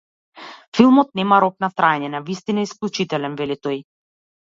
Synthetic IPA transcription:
filˠmɔt̪̚nɛmaɾɔk̚naft̪ɾaɛɲɛnavist̪inaɛisklʲˠut͡ʃit̪ɛlɛnvɛlit̪ɔj

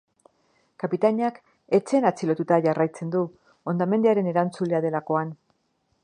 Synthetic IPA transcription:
kapit̪aɲak | e̞t͡se̞nat͡silo̞t̪ut̪aʝarajt͡se̞nd̪u | o̞nd̪ame̞nd̪eaɾe̞ne̞ɾant͡sule̞aðe̞lako̞an

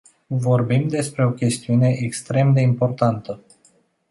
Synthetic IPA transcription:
vo̞rbimd̪e̞spɾe̞o̞kʲe̞st̪iune̞ʔekst̪ɾe̞md̪e̞impo̞rt̪ant̪ə

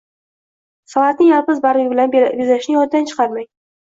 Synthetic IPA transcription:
sɒvat̪nɪŋjalˠpɪzbaɾbɪlanjezaɪʃnɪjɒnd̪ant͡ʃʰɨ̥qʰɑɾmaj

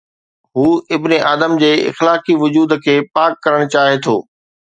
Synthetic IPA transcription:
ɦuːɪbneʔaːd̪əmd͡ʑeːɪ̰xlaːkiʋʊd͡ʑuːd̪kʰeːpaːkːɐɾəɽ̃t͡ɕaːɦet̪ʰo̰ː

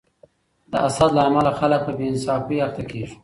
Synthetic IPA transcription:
d̪̥əʔasad̪laːmalaxalak̚pəbeɪnsɑfiaɾt̪akeʒi̥

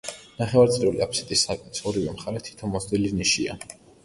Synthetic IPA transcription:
naχɛvaɾt̪sʼɾiuliapʰsɛ̥t̪ʼisːakʼit̪sʰɔɾivɛmχaɾɛt̪ʰi̥t̪ʰɔmɔsd̪iliniʃia̰

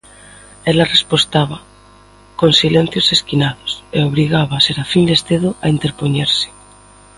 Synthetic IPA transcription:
elarespost̪aβa | konsilen̟θjoseskinaðoseoβ̞ɾiɣ̞aβaseɾafind̪est̪eðoʔa̰int̪eɾpoɲeɾsɪ̥

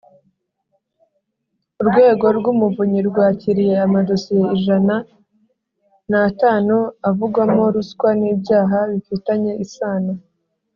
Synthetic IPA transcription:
uɾɡwe̞ːɡo̞ɾɡumuvuɲiɾɡwaːciɾije̞amadosije̞iʒana | naːtaːnuavuɡwamo̞ɾuskwaniːbɟaːɦaβifitaɲe̞ʔisaːna

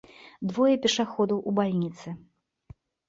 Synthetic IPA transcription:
d̪vɔjɛpʲɛʂaxɔd̪ɐwʔubalʲnʲit̪sɨ

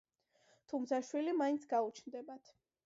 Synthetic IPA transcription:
t̪ʰumt̪sʰaʃwilimaint̪sʰɡaut͡ʃʰnd̪ɛbat̪ʰ

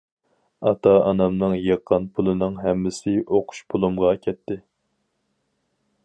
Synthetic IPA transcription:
ɑt̪ʰɑɑnɑmnɨŋjɑqʰːɑnpʰulˠɨnɨŋɦɛmːɪsɪʔoqʰʊ̥ʃpʰulˠumʁɑkʲʰɛt̪ʰːɪ

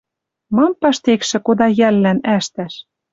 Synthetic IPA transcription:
mɑmpɑʃt̪ekʃɘ̆kod̪ɑjælːænæʃt̪æʃ

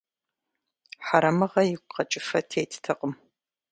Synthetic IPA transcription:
ħaɾɐmɨʁɐjɪkʷqɐt͡ʃʼɪfɐtʰeːjtʰtʰɐqʼəm

